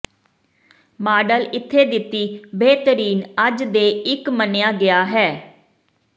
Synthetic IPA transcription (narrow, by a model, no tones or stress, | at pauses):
maːɖəlɪt̪ʰːeːd̪ɪt̪ːiːbeːt̪əɾiːnəd͡ʒd̪eːɪkmənejaːɡɪjaːɦɛː